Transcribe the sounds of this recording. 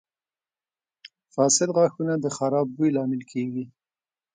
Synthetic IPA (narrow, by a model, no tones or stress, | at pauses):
fɑsɪd̪ɣɑxunad̪əxaɾɑb̚ːujlɑmɪlkʰeɡi